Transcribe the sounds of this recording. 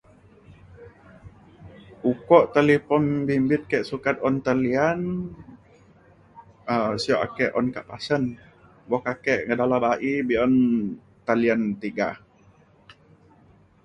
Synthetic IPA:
ukɔʔt̪əlipɔnbimbɪt̪̚kɛʔsukat̪̚ɔnt̪əlian | əsiɔʔa̰kɛʔɔnka̰ʔpasən | bɔkakɛʔŋədalabaʔibiɔn | t̪aliant̪iɡa̰

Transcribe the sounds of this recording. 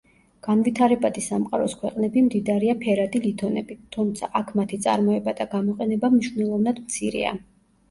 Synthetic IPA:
ɡ̥anvit̪ʰaɾɛbad̪isamqʼaɾɔskʰwɛqʼnɛbimd̪id̪aɾiapʰɛɾad̪ilit̪ʰɔnɛbit̪ʰːumt̪sʰaʔakʰmat̪ʰit̪sʼa̰ɾmɔɛbad̪aɡamɔqʼɛnɛbamniʃvnɛlˠɔvnad̪mt̪sʰiɾɛ̰a̰

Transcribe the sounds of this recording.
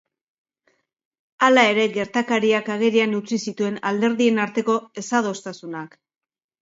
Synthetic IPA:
alae̞ɾe̞ɣe̞ɾt̪akaɾiakaɣe̞ɾianut͡sisit̪ue̞nald̪e̞ɾðie̞naɾt̪e̞ko̞e̞saðo̞st̪asunak

